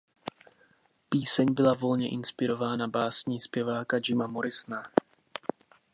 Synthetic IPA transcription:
piːsɛɲbɪlavo̞lɲɛʔɪnspɪɾo̞vaːnabaːsɲiːspjɛvaːkad͡ʒɪmamo̞ɾɪsna

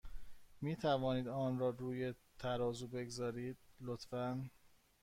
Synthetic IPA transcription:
miːt̪ʰævɒːniːd̪ɒːnɾɒːɾuːjet̪ʰæɾɒːzuːbe̞ɡzɒːɾiːd̪̥̚lot̪fæn

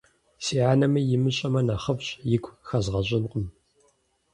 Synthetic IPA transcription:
siːʕaːnɐmɐjɪmɨɕʼɐmɐnaχɐvɕʼjɪɡʷʰʼxɐzʁɐɕʼɪnqʼəm

